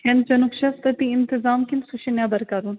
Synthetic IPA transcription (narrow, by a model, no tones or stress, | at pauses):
kend͡ʒɐnukʃɐst̪ɐt̪iɪnt̪ɪzaːmkinsuʃinjaːbɐɾkaɾuːn